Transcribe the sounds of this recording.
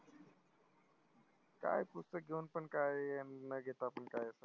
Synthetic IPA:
ka̰ːjpust̪əɡoːnpənkaːeenəɡet̪apənkaːesə

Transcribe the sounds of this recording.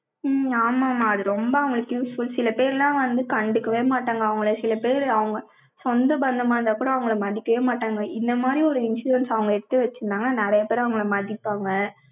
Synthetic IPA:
aːmaːmaːðɯɾɔmbɐɐʋɐŋɡɐɭɯkːjuːsfʊlsɪlɐpeːɾlãːʋɐnd̪ɯkɐɳɖɯkːɐʋeːmaːʈːaːŋɡɐːʋɐŋɡɐɭɐsɪlɐpeːɾɐʋɐŋɡɐ | sɔnd̪ɐbɐnd̪ɐmaːnɐd̪aːkuːɽɐɐʋɐŋɡɐɭɐmɐɽɪkːɐʋeːmaːʈːaːŋɡɐʔɪnd̪ɐmaːd̪ɾiɔɾɯɪnsuːɾɐnsɐʋɐŋɡɐɛɽɯt̪ːɯʋɛt͡ʃːɯnaːŋɡɐnaːnɛɾɐjɐpeːɾɐʋɐŋɡɐɭɐmɐɽɪpːaːŋɡɐ

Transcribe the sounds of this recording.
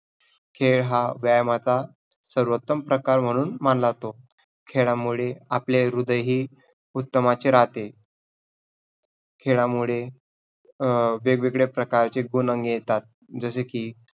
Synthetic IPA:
kʰeɭɦaʋjajmat͡sa | səɾʋət̪ːəmpɾəkaɾm̤əɽ̃uːnmanlat̪o | kʰeɭamuɭeapleɾud̪əjɦiː | ut̪ːəmat͡ɕeɾat̪e | kʰeɭamuɭe | ʋeɡʋeɡɭepɾəkaɾt͡ɕeɡunəŋɡjet̪at̪̚ | d͡zəsekiː

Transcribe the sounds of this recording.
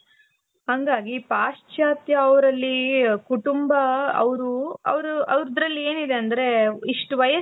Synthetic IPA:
ɦɐŋɡaːɡipaːʂt͡ʃaːt̪jɐɐʋɐɾɐlːikuʈumbɐɐ̰ʋɐɾuɐ̰ʋɐɾuʔɐʋɾd̪ɾɐlːie̞ːnid̪e̞ɐnd̪ɐɾe̞iʂʈuʋɐjɐ

